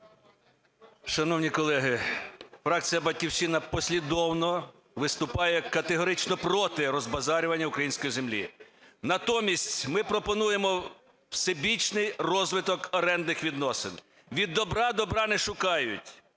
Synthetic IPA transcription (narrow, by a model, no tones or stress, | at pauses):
ʃɐnɔwnʲikɔlˠɛɦɪfɾɑk̚t͡sʲijɐbɐdʲkʲiwʃt͡ʃinɐpɔsʲlʲid̪ɔwnɔ | ʋɪst̪ʊpɑjɛkɐt̪eɦɔɾɪt͡ʃnɔpɾɔt̪ɪɾɔzbɐzɑɾʲʊʋɐnʲːɐʊkɾɐjinsʲkɔjizemlʲḭnɐt̪ɔmʲisʲtʲmɪpɾɔpɔnujemɔ | wsebʲit͡ʃnɪjrɔzʋɪt̪ɔkɔɾɛnd̪nɪxʋʲid̪nɔsɪn | ʋʲid̪ːɔbɾɑd̪ɔbɾɑnɛʃʊkɑjʊtʲ